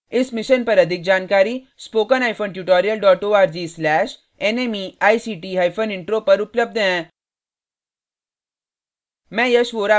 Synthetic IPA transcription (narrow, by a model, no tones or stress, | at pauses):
ɪsmɪʃənpɐɾɐd̪ʱɪk̚d͡ʒaːnkaːɾiː | spoːkənaːɪfʰoːnʈjuːʈɔːɾijəlɖɔːʈoːaːɾd͡ʒiːslɛːʃ | eneːmiaːisiːʈiːɦaːjpʰənɪ̃ɳʈɾoːpɐɾʊpləb̚d̪ɛ̃ | mɛ̃jɐʃʋoːɾa